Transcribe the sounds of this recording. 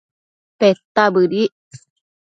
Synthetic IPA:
pet̪ːabədi

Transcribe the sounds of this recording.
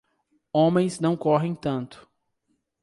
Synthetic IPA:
õmẽj̃znɐ̃w̃kɔɦẽj̃t̪ɐ̃nt̪ʊ̥

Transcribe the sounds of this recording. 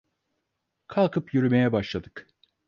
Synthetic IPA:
kʰalˠkʰɯpjyɾymejɛbaʃlˠad̪ɯk

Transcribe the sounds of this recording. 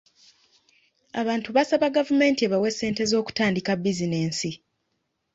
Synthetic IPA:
aβaːntuβasaβaɡavume̞ːntieβawe̞sːe̞ːnte̞zo̞ːku̥taːndikabːizine̞ːnsi

